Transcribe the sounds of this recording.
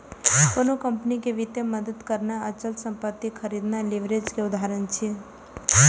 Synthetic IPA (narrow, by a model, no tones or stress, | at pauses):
konokəmpnikeʋit̪eməd̪əd̪kəɾnaət͡ʃəlsə̃mpət̪ːikʰəɾid̪naliʋɾed͡ʒkeʊd̪aɾənt͡ʃʰi